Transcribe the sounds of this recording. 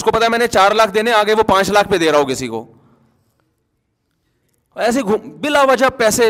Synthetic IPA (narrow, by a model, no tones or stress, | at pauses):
skopɐt̪aemɛːnet͡ʃaːɾlaːkʰd̪eːneaːɡəeʋopãːt͡ʃlaːkʰped̪eːɾaɦokɪsiko̰ː | ɛːs̬eɡʱbɪlaʋɐd͡ʒapɛːse